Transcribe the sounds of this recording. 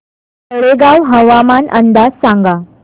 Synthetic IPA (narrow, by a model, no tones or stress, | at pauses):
təɭeɡaʋɦəʋamanənd̪ad͡zsãŋɡa